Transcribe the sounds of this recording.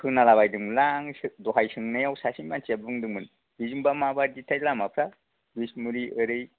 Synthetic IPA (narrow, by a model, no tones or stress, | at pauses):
kʰɯŋnalaβajdɯŋlaŋsɯdɔɦajsɯŋnɯjawsasinmant͡ʃiabɯŋdɯŋmɯn | bizɯŋbamabaɾditʰajlamapʰɾa | bismuɾiʔɯɾɯj